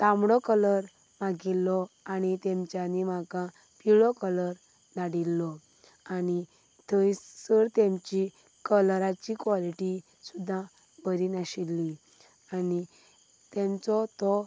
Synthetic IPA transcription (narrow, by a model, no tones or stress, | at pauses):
t̪ãmɽɔkələɾ | maɡilːɔanit̪ɛ̃mt͡ɕjanimaɡã | piɭɔkələɾ | naɽilːɔ | ani | t̪ʰəisəɾt̪emt͡ɕi | kəlɾat͡ɕikʋɔliʈi | sud̪ʱːã | bəɾiːnaɕilːi | ani | t̪emt͡sɔt̪ɔ